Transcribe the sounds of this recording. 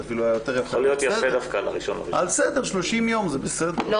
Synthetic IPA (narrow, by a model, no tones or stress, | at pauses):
afiluajajot̪eʁjafolijot̪jafed̪afkala̰ʁiʃona̰ialsed̪eʁʃlo̞ʃimjo̞mzebesed̪e